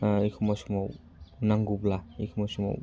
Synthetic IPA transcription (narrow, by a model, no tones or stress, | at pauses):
ejkʰɔmɔjsɔmaw | naŋɡublaejkʰɔmɔjsɔmɔ̰w